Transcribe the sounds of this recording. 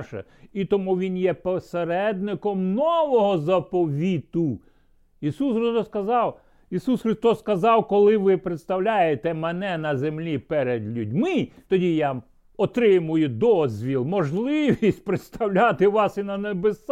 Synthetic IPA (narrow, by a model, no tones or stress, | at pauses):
ʃɛ̰ | it̪ɔmuʋʲinjɛpɔseɾɛd̪nɪkɔmnɔʋɔɦɔzɐpɔʋʲit̪u | isusrɔd̪ɔskɐzɑw | isusxɾɪst̪ɔsːkɐzɑwkɔlˠɪʋɪpɾet̪st̪ɐwlʲajet̪ɛmɛnɛnɐzemlʲipɛɾed̪lʲudʲmɪt̪ɔdʲija | ɔt̪ɾɪmʊjʊd̪ɔzʲʋʲilˠmɔʒlˠɪʋʲisʲt̚ʲpɾet̪st̪ɐwlʲat̪ɪʋɑsinɐnebes